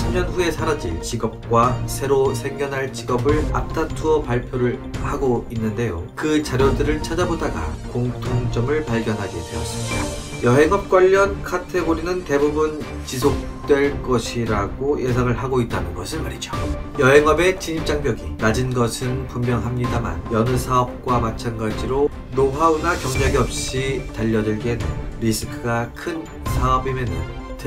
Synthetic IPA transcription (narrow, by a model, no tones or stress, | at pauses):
sʰamɲʌnɸue̞sʰaɾad͡ʑit͡ɕiɡʌp̚k͈wasʰe̞ɾosʰeɡjʌnɦaɭt͡ɕiɡʌbɯɭa̰tʰatʰuʌpaɭpʰjoɾɯɭhaɡoinːɯnde̞jo̰kɯt͡ɕaɾjodɯɾɯɭt͡ɕʰad͡ʑabodaɡa̰koŋtʰoŋt͡ɕ͈ʌmɯɭpaɭɡjʌnɦaɡidwe̞ʌs͈ɯmɲida | jʌɦe̞ŋɦʌp̚k͈waʎːʌnkʰatʰe̞ɡoɾinɯnte̞bubun | t͡ɕis̬ʰok̚t͈we̞ɭk͈ʌɕʰiɾaɡojʔe̞s̬ʰaŋɯɭɦaɡoit̚t͈anɯnɡʌsʰɯnmaɾid͡ʑo̥jʌɦe̞ŋʌbe̞t͡ɕiɲip̚t͡ɕ͈aŋpjʌɡinad͡ʑinɡʌsʰɯnpummjʌŋɦamɲidama̰njʌnɯsʰaʌp̚k͈wamat͡ɕʰanɡad͡ʑiɾo | noɸaunakjʌŋɲʌɡiʌp̚ɕ͈itaʎːʌdɯɭɡedɯɾisʰɯkʰɯɡakʰɯn | sʰaʌbimjenɯn | tɯ